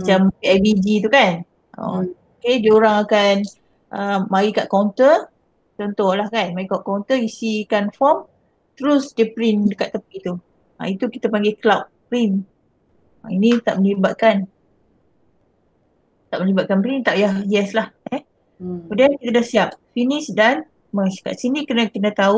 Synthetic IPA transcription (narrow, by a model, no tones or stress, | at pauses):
mat͡ʃampiɛbid͡ʒit̪ukan | o̰okedioɾaŋakan | ʔəmaɾikaʔkont̪ə | t͡ʃɔnt̪ɔhlahkanmaɾikaʔkant̪əisikanfɔm | t̪əɾʊsdəpɾindəkat̪ːəpit̪u | a̰it̪ukit̪apaŋɡeklawʔ̚pɾin | ãinĩt̪a̰ʔ̚məlibat̪̚kan | t̪aʔməlibat̪̚kanpɾint̪aʔjahjɛslahɛ | udankit̪adahsiap̚finisdan | maska̰ʔsinikənakənə̃t̪au